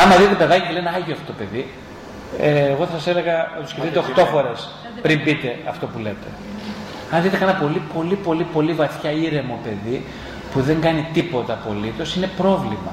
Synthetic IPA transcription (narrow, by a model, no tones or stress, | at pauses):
ɐmɐðit̪et̪epe̞ðɐcicileneɐʝioɐft̪ot̪ope̞ði | ɣo̞θɐsɐseleɣɐɐt̪u̥sceft̪it̪eoxt̪o̞fo̞ɾe̞s | pɾimbit̪e̞ɐft̪o̞pule̞t̪e̞̰ | ɐnðit̪ekɐenɐpo̞lipo̞lipo̞lipo̞livɐθçɐiɾe̞mo̞pe̞ði | puðe̞ŋɡɐnit̪ipo̞t̪ɐpo̞lit̪o̞sine̞pɾo̞vlimɐ̰